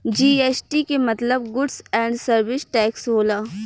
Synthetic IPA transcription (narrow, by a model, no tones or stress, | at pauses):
d͡ʒiːeːsʈikemɐt̪ləb̚ɡʊɖsɛ̃ːɳɖsəɾʋɪsʈɛːksɦoːlaː